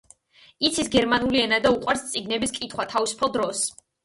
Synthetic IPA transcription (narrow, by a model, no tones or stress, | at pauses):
it̪sʰisɡɛɾmanuliɛnad̪auqʼwaɾst̪sʼiɡnɛbiskʼit̪ʰχwat̪ʰavisu̥pʰalˠd̪ɾɔs